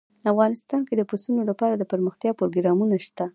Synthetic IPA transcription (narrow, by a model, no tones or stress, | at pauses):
afɣɑnɪst̪ɑnked̪əpusunolapɑɾad̪əpəɾməxt̪jɑpɾoɡɾɑmunaʃt̪a